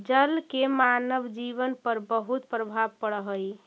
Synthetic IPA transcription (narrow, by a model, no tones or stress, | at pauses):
d͡ʒəlkemanəʋd͡ʒiʋənpəɾbəɦut̪pɾəbʱabpəɽəɦəj